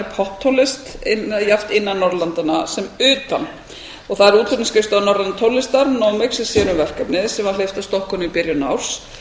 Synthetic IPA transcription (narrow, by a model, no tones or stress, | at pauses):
ɾpʰɔht̪ʰːowlɪst̪ɪnjaft̪ɪnːanːɔɾlant̪anasɛmʏːt̪an | ɔɣθaðɛɾuːt̪lɔp̪nɪscɪst̪anɔɾlanat̪ʰowlɪst̪aɾnowmɪksɛsjɛːnʏmvɛr̥kapnɪðsɛmvaɾlejft̪ḁst̪ɔhkɔnʏipɪɾjʏna̰wɾ̥s